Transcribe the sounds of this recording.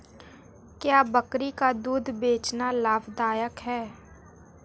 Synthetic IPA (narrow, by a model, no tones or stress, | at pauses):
kjaːbəkɾikad̪uːd̪ʱbeːt͡ʃnalaːbd̪aːjəkɦɛː